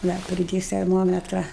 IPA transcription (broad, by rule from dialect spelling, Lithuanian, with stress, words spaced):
ˈnɐ pʲrʲɪˈdʲeːs tʲɛrˈmoːmʲɛtrɐ